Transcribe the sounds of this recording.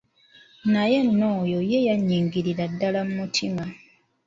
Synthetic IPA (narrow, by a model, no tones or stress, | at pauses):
naje̞nːo̞ːjojejaɲːiːŋɡiɾiɾadːalamumutʰima